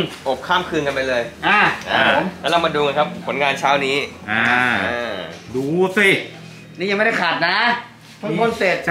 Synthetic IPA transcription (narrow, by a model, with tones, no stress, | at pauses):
ʔo˨˩p̚kʰːaː˥˩mkʰɯː˧nka˧npa˧jlɤː˧jʔa˧˩ʔa˧˩˨mː˦˥la˦˧˩maː˧duː˧ŋa˧kʰppʰːo˩˦nŋaː˧nt͡ɕʰaː˦˥˩wniː˦˥a˧aː˧duː˧si˨˩ | niː˦˥˩ja˧m˥˩da˥˩jkʰaː˨˩t̪̚na˦˥ | t̪ʰu˦˥kʰo˧˥˨nse˨˩t̪̚